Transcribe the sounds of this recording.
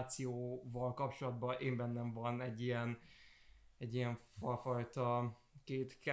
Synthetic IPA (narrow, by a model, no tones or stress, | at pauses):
t̪sijoːvɒlkɒpt͡ʃo̞lɒd̪bɒʔeːmbɛnːɛɱvɒnɛɟːijɛn | ɛɟːijɛɱfɒfɒjt̪ɒ | keːt̪k